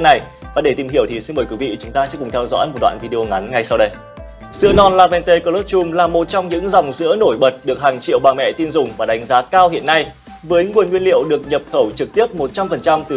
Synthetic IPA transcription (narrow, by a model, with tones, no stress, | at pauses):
na˨˩j | vaː˨˩ɗe˧˩t̪i˨˩mhɦi˧˩əwt̪ʰi˨˩sɨ˧ŋməː˨˩jkwɨ˨˦vḭ˧˨t͡ɕʊ˨˦ŋ͡mt̪aː˧sɛ̰˧˥kʊ˨˩ŋ͡mt̪ʰɛ˧wzɔ̰˧˥jmo˨˩t̚ɗwa̰ː˧˨nvi˧ɗi˧o˧ŋa˨˦nŋa˧jsa˧wɗə˧j | sɨ̰˧ənɔ˧nlaː˧vɛ˧nt̪e˧kə˧lo˦˥p̚t͡ɕu˧mlaː˨˩mo˨˩t̚t͡ɕɔ˧wŋ͡mɲɨ̰˧˥ŋzɔ̰˨˩wŋ͡mzɨ̰˧˥əno˧˩jɓə˨˩t̚ɗɨ˨˩ək̚haː˨˩ŋt͡ɕḭ˧˨əwɓaː˨˩ŋmɛ̰˧˨t̪i˧nzʊ˨˩ŋ͡mvaː˨˩ɗa˨˦jŋ̟zaː˨˦kaː˧whḭ˧˨ənːa˧j | vəː˨˦jŋu˨˩ənŋwi˧ənlḭ˧˨əwɗɨ˨˩ək̚ɲə˨˩p̚xə˧˩wt͡ɕɨ˨˩k̚t̪i˦˥əp̚mo˨˩t̚t͡ɕa˧mfə˨˩nt͡ɕa˧mt̪ɨ˨˩